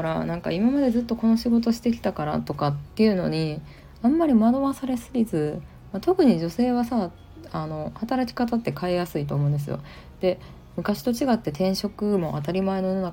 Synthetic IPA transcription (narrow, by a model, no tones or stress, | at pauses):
ɾanãŋka̰imamad̪e̞zɨt̪ːo̞ko̞no̞ɕiɡo̞t̪̬o̞ɕi̥t̪e̞kʲi̥t̪akaɾa̰t̪o̞kat̪ːe̞iɯ̟no̞ɲ̟i | amːaɾʲimad̪o̞βasaɾe̞sɨɾʲizɨ | mat̪o̞kɯ̟ɲ̟id͡ʑo̞se̞ːβasa | ano̞hat̪aɾakʲi̥kat̪at̪ːe̞kaejasɨit̪o̞ːmõːnd̪esɨjo̞̰ | d̪̥e̞ | mɯ̟kaɕi̥t̪o̞t͡ɕiɡat̪ːe̞t̪ẽ̞ɰ̃ɕo̞kɯ̟mo̞ʔat̪aɾʲimae̞no̞ona